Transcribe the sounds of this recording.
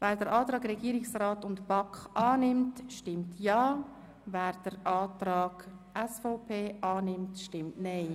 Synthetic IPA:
vɛːɾdəɾʔaːtɾɑːɡɾɛɡ̥iːɾɪksraːtʊntb̥ɑkχʔɑːnɪmtʃtɪmtʰjɑː | vɛːɾd̥əɾʔɑːtɾaːɡ̥ | ɛsfɔʊpʰeːʔɑːnɪmtʃtɪmtneɪ

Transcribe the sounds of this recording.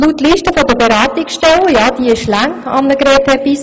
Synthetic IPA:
lutːliːʃtəfɔd̪əbɛɾaːt̪ɪksʃtɛləjɑːd̥iɪʃlæŋɑ̰mnəɡɾɛːthɛpis

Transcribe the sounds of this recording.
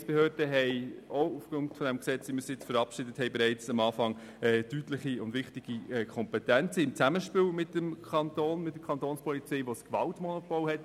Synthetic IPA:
sb̥ehøːɾd̥əɦɛɪoufɡ̥ʊntfɔdɛmksɛt͡sʋiməsjɪt͡sfəɾɑpʃɪdəthɛɪbɛɾɛɪt͡sɑmɑːfɑŋ | ɛːtytləχiʊndʋɪχtɪɡ̥iɛkʰɔmpɛtænt͡səɪmt͡sæməʃpɪwmɪtːəmkʰɑnt̪oːnmɪt̚d̥ə̥kʰχɑnt̪oːnspʰɔlit͡sɛɪʋoskʋɑ̰ltmɔnopɔlhɛt

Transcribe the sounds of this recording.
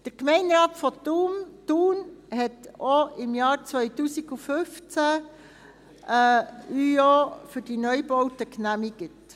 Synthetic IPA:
d̥əɾkmɛɪnɾɑːtfɔtumtuːnhɛtoɪmjɑːɾt͡svœʏtuːsiɡufʏft͡sæ | yofʏɾd̥inœʏbɔwtəknæmiɡ̥ət

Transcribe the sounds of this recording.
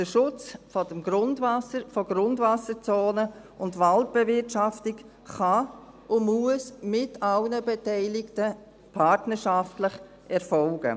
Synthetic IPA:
d̥əʃʊt͡sfɔdəmɡɾʊndvasəfɔɡɾʊndvasəɾt͡soːnə | ʊntvalt̚b̥ɛvɪtʃaftɪk | χɑ | ʊmuəsmɪtʰɑlnəbɛtaɪlɪktə | pʰaɾtnəɾʃaftləχ | ʔɛɾfɔlɡə̰

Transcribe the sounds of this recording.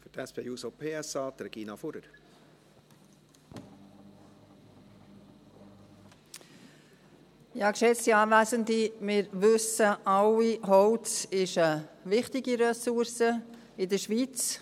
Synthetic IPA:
fytʰɛspʰeːuːsopʰeːɛsɑːd̪ɾɛɡ̥iːnɑfuɾəɾ | jɑːkʃɛt͡stiɑːvæːzəndimɪɾʋʏsəɑliɦɔwt͡sɪʃəvɪχtɪɡiɾɛsuɾsə | ɪdəʃʋit͡s

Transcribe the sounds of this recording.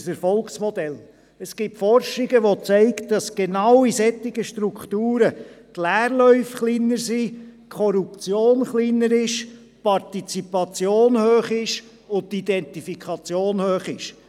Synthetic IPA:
sɛɾfɔlksmɔd̪ɛl | əsɡ̥ɪp̚fɔrʃɪɡəʋot͡sɛɪktd̥ɑsɡ̥enɑwisɛt̪ːɪɡəʃtɾukχt̪uːɾətlæːrlœʏfχliːnəɾsikʰɔɾup̚t͡sjoːnχliːnəɾɪʃ | pɑrtit͡sipɑt͡sjoːnhøːχɪʃ | ʊtid̪ɛnt̪ifikʰɑt͡sjoːnhøːχɪʃ

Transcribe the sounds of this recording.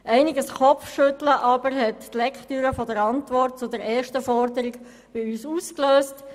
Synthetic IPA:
ʔɛɪnɪɡəsχɔfʃʏtləʔɑːbəɾɦɛttlɛkχtyːɾəfɔdəɾɑntʋɔɾt̚t͡sʊdɛɾɛːʃtəfɔɾdəɾɪɡ | b̥ɪyːsuːskløːst

